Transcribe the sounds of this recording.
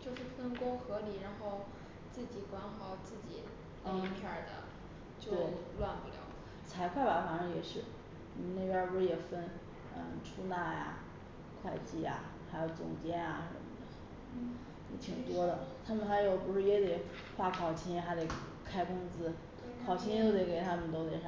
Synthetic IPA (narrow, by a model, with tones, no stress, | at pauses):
t͡ɕjo˥˧ʊʂɻ̩˥˩fə˥nkʊ˥ŋxɤ˧˥li˨˩ɻa˧˥nxo˥˧ʊ | t͡sɹ̩˥˩t͡ɕi˨˩kwɑ˥ŋxɑ˨˩˦ʊt͡sɹ̩˥˩t͡ɕi˨˩˥ | ŋt̪ʰjə˞˨˩d̪ə̰˦ | tjo˥˧we˥˩ɪ˧lwa˥˧npu˥˩ljɑ̰˧˥ʊ | t͡sʰa˧˥ɪkʰwa˥˩ba˨˥fa˨˩ʂŋjɛ˨˩ʂɻ̩˥˩ | ɔ˨˩m˦ne˥˩pjɛ˥wɔ˧˥jɛ˨˩fə˥n | ə˧ʈ͡ʂʰu˥na˥˩ja̰˩ | kʰwa˥˧ɪt͡ɕi˥˩ja̰˩ | xa˧˥ɪjo˧˩ʊt͡sʊ̰˨˩ŋt͡ɕjɛ˥na˨˧ʂə̰˧˥mə̰˧˩d̪ə˦ | jɛ˧˥t̪ʰi˨˩ŋt̪wɔ˥lə˨t̪ʰa˥mə˨nxa˧˥ɪjo˨˩ʊpu˧˥ʂɻ̩˥˩jɛ˧˥d̪ɛ˨˩ | xwa˥˩kʰɑ˨˩ʊt͡ɕʰi˧˥ŋ˧˥xa˧˥ɪd̪e˨˧˩ | kʰa˥ɪkʊ˥ŋt͡sɹ̩˥ | kʰɑ˨˩ʊt͡ɕʰi˥ŋo˥ʊd̪e˧˩ke˨˩ɪt̪ʰa˥mə˨nt̪o˥ʊt̪jɛ˧˩ɑ˥˩